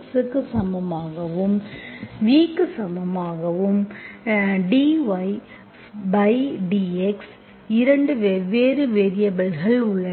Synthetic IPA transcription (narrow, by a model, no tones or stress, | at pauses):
ksɯkːɯsɐmɐmaːɣɐʋɯmʋiːkːɯsɐmɐmaːɣɐʋɯm | ɖiʋɐɪ | bɐɪɖiːɛks | ɪɾɐɳɖɯʋeːɾɯʋeːɾɪjɐbɐlɣɐɭʊɭɐ